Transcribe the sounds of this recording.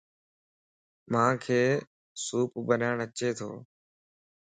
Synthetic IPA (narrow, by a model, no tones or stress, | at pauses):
mãːkʰeː | suːpbənaːɳət͡ʃeːt̪ʰo̰ː